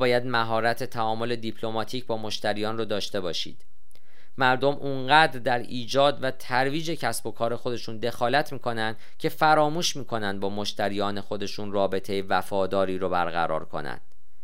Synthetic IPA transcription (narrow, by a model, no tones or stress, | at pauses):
bɒːjæd̪mæɦɒːɾæt̪ʰe̞t̪ʰæɒːmo̞le̞d̪ipʰlo̞mɒːt̪ʰiːcbɒːmo̞ʃt̪æɾiːjɒːnrod̪ɒːʃt̪e̞bɒːʃḭːd̪̥ | mæɾd̪o̞mʔuŋɢæːd̪ɾd̪æɾiːd͡ʒɒːd̪væt̪ʰæɾviːd͡ʒe̞cʰæsb̥o̞kʰɒːɾe̞xo̞d̪e̞ʃuːnd̪e̞xɒːlæt̪ʰmiːkʰo̞nænd̪̥ | cʰe̞fæɾɒːmuːʃmiːkʰo̞nænd̪̚bɒːmo̞ʃt̪ʰæɾiːjɒːne̞xo̞d̪e̞ʃuːnrɒːbe̞t̪ʰe̞jevæfɒːd̪ɒːɾiːɾobæ̰ɾɣæ̰ɾɒ̰ːɾkʰo̞̰næ̰nd̪̥